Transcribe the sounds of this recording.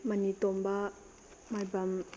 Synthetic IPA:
manit̪ɔmba | majbam

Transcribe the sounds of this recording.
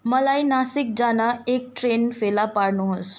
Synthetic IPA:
mʌlajnasik̚d͡zanaek̚ʈɾenfelapaɽnuɦos

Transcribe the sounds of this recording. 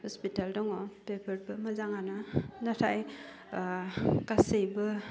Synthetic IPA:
hɔspitaldɔŋɔpepʰaɾbɯmazaŋanɯnatʰaj | kasejbɯ

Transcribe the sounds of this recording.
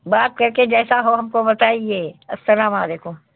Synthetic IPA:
baːt̪̚kɐɾked͡ʒɛːsaɦoɦɐmkobɐt̪aːieːɐst̪ɐɾaːmãd̪eːkʰo

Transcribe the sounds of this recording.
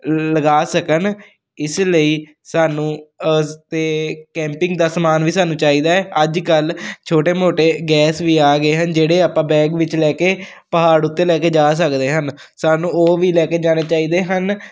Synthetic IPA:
ləɡaːsəkən | ɪsləiː | saːnũː | t̪eːkɛ̃ːmpɪ̃ŋɡd̪aːsəmaːnʋiːsaːnũːt͡ʃaːiːd̪aːɛːəd͡ʒkəlt͡ʃʰoːʈeːmoːʈeːɡɛːsʋiːaːɡəeːɦənd͡ʒeːɽeːaːpãːbɛːɡʋɪt͡ʃlɛːkeː | pəɦaːɽʊt̪ːeːlɛːkeːd͡ʒaːs̬əkd̪eːɦən | saːnũːoːʋiːlɛːkeːd͡ʒaːneːt͡ʃaːiːd̪eːɦən

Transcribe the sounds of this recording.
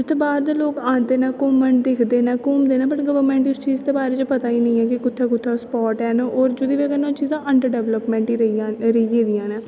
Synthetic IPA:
d͡ʒɪst̪oːbaːɾd̪eːloːkãːnd̪eːnaːkʊmːəɳd̪eːkʰd̪eːnaːkʊmd̪eːnãːpəʈɡəʋəɾmɛ̃ːɳʈʊst͡ʃiːzd̪eːbaːɾeːt͡ʃːpət̪aːiːnə̃ĩːɛːkɪkʊt̪ʰːaːkʊt̪ʰːaːspɔːʈɛːnɔːɾd͡ʒʊd̪iːʋeɡənãːt͡ʃiːzãːʔəɳɖəɾɖɛʋləpmɛ̃ːʈiɾəiːɾəid͡ʒeːd̪ɪjãːnɛ̃ː

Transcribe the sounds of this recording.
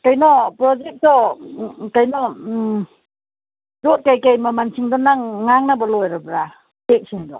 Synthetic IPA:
kajnɔpɾɔd͡ʒek̚sɔ | kajnɔ | ɾot̚kajkajmamant͡ʃʰiŋdɔnaŋːaŋnabalɔjɾabɾa | tek̚siŋdɔ̰

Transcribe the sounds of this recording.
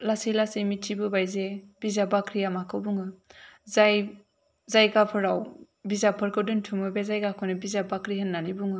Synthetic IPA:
lasilasemitʰibɯbajzeb̥izabakʰɾijamakʰɯwbuŋɯzaj | zajɡapʰɯɾaw | bizapʰɯɾkʰɯdɯntʰumɯbezajɡakʰɔnɯbizabakɾiɦɯnːanibuŋɯ

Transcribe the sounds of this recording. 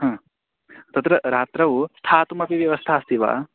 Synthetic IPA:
ɦãː | t̪ɐt̪ɾɐɾaːt̪ɾɐʋust̪ʰaːt̪umɐpiʋjɐʋɐst̪ʰaːst̪iʋa̰ː

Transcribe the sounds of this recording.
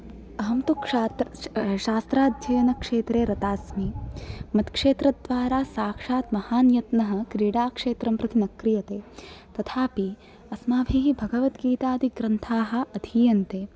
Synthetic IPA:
ɐɦɐmt̪ukaːt̪ʃaːst̪ɾaːd̪̚d͡ʒɐjɐnɐkʂeːt̪ɾeːɾɐt̪aːsmimɐt̪kʂeːt̪ɾɐd̪ʋaːɾaːsaːkʂaːt̪mɐhaːnjɐt̪nɐɦɐ̆kɾiːɽaːkʂeːt̪ɾɐmpɾɐt̪inɐkɾijɐt̪eːt̪ɐt̪ʰaːpi | ɐsmaːbʱiːɦibʱɐɡɐʋɐt̪ɡiːt̪aːd̪iɡɾɐnt̪ʰaːɦɐ̆ɐd̪ʱiːjɐnt̪eː

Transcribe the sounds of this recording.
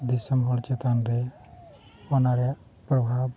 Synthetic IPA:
d̪isəmbʱolt͡ʃet̪anɾe | onaɾa | pɾəbʱaːb

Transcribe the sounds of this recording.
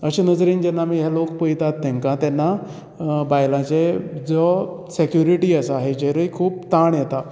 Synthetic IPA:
əɕenəd͡zɾiːnd͡ʑɛnːamiːɦjalokpəjt̪at̪ːẽŋkãt̪ɛnːa | bajlãt͡ɕed͡zɔ | sekjuɾiʈiːəsəaɦed͡ʑeɾəikʰuːpt̪aɳjɛt̪a

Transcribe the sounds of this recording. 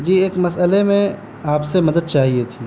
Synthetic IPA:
d͡ʒiːeːkmɐsəlemẽ | aːpsemɐd̪əd̪̚t͡ʃaːɦiet̪ʰiː

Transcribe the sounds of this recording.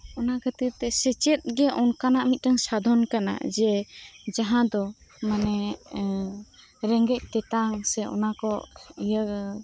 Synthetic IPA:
ɔnakʰət̪it̪ɛsɛt͡ʃɛt̪̚ɡɛʔɔnkanaʔmit̪̚ʈaŋsad̪ʱɔnkana̰d͡ʒɛd͡ʒaɦãd̪ɔ | manɛ | ɾɛŋɡɛc̚ˀt̪ɛt̪aŋsɛʔɔ̰nakɔijə

